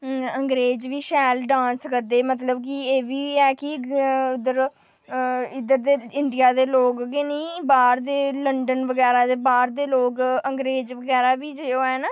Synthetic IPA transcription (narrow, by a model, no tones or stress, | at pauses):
əŋɡɾeːd͡ʒʋiːʃɛːlɖãːnskəd̪eːmət̪ləbkɪeːʋiːɛːkɪʊd̪əɾ | ɪd̪əɾd̪eːɪɳɖijaːd̪eːloːɡɡeːnĩːbaːɾd̪eːləɳɖənʋəɡɛːɾaːd̪eːbaːɾd̪eːloːɡəŋɡɾeːd͡ʒʋəɡɛːɾaːbiːd͡ʒeoːɛːnaː